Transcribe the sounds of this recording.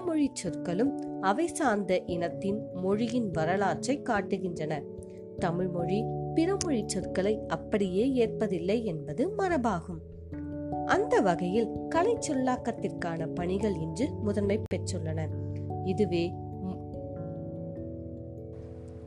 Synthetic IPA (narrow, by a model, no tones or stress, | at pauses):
mɔɻit͡ʃːɔɾkɐlɯmɐʋɐɪsaːnd̪ɐʔɪnɐt̪ːɪnmɔɻɪjɪnʋɐɾɐlaːɾt͡ʃɐɪkːaːʈːɯɣɪndrɐnɐ | t̪ɐmɪɻmɔɻipɪɾɐmɔɻit͡ʃːɔɾkɐlɐɪɐpːɐɽɪjeːeːr̚pɐðɪlːɐɪɛnbɐðɯmɐɾɐbaːɣɯm | ʔɐnd̪ɐʋɐɣɐjɪlkɐlɐɪt͡ʃːɔlːaːkːɐt̪ːɪrkaːnɐpɐɳɪɣɐɭɪnd͡ʒɯmʊðɐnmɐɪpːɛʈrɯɭːɐnɐɪðɯʋeː